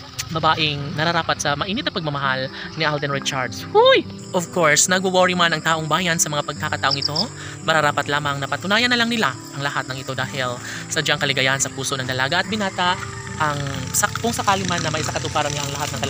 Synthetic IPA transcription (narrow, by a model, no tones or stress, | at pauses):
bɐbaːʔɪŋnɐɾɐɾaːpɐt̪sɐmɐʔiːnɪt̪ɐtpɐɡ̚mɐmɐɦalnɪʔald̪ɛnɹɪt͡ʃaɹd̪shuj | ʔovko̞ɹsnɐɡ̚ʊwoɹimanɐŋt̪aːʔoŋbaːjɐnsɐmɐŋapɐɡ̚kakɐt̪ɐʔo̞ŋɪt̪o̞ | mɐɾɐɾaːpɐt̪laːmɐŋnɐpɐt̪ʊnaːjɐnːɐlɐŋnɪlaʔɐŋlɐhat̪̚nɐŋʔɪt̪o̞d̪aːhɪl | sɐd͡ʒaŋkɐlɪɡɐjahɐnsɐpuːso̞nɐŋd̪ɐlaːɡɐʔɐt̪̚bɪnaːt̪aʔ | ʔɐŋsɐkʊŋsɐkaːlɪmanːɐmɐjʔɪsaŋkɐt̪ʊpaːɾɐnlaʔɐŋlɐhat̪nɐŋkɐl